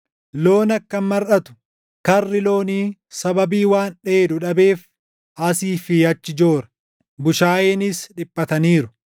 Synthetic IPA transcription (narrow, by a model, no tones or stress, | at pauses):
lo̞ːnɐkːɐnmɐɾʔɐt̪ʊ̥ | kɐrːɪlo̞ːniːsɐbɐbiːwaːnᶑe̞ːd̪ʊᶑɐbe̞ːf | ʔɐsiːfɪɐt͡ʃːɪd͡ʒo̞ːɾɐ̥ | bʊʃaːjeːnɪsᶑɪpʼːɐt̪ɐniːɾʊ̥